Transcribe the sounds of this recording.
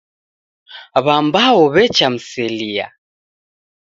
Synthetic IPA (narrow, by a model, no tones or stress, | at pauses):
βambawɔβɛt͡ʃam̩sɛlia̰